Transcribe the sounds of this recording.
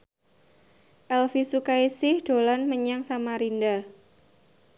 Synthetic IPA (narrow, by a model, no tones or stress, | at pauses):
ʔɛlfisukaisɪhd̥olanməɲaŋsamaɾinda